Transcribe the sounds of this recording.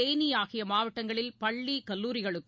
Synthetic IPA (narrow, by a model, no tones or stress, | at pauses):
eːnɪjaːɣɪjɐmaːʋɐʈːɐŋɡɐɭɪlpɐɭːikɐlːuːɾɪɣɐɭɯkː